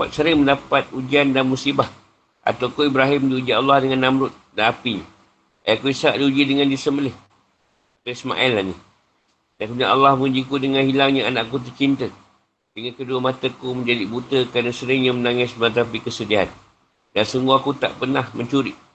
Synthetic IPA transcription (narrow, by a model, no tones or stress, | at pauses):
pa̰t̪̚səɾɪŋməndapat̪̚ud͡ʒiandanmusibah | ʔa̰t̪awkoibɾaɦimdiud͡ʒialːahdəŋanːamɾʊt̪̚danapiɲə | ajakuisaʔdiud͡ʒidəŋandisəməlɪh̪ | əisma̰ʔɛlːani | dankunaʔa̰lːɑhməud͡ʒikudəŋanhilaŋɲəanaʔkut̪̬ərt͡ʃint̪ə | dəŋankəduəmat̪əkuməɲd͡ʒadibut̪əkɾanasəɾɪŋɲəmənaŋɪsbəat̪̬apikəsədiaɦa̰n | dansəŋuakut̪a̰ʔpərnahməɲt͡ʃuɾiʔ